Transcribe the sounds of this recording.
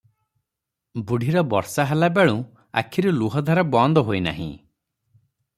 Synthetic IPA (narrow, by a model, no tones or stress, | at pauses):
buɽʱiɾɔbɔɾsaɦalabeɭũ | a̰kʰiɾuluɦɔd̪ʱaɾɔbɔnd̪ɔɦojna̰ɦḭ̃